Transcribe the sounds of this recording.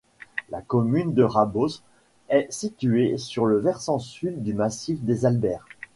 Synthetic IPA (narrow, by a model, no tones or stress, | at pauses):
lakɔmynd̪əʁabos | ɛsit̪yesyʁləvɛʁsɑ̃syld̪ymasifd̪ezalbɛːʁ